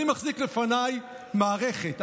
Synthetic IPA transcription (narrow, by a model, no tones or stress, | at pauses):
imaχziklefanaj | maːʁeχet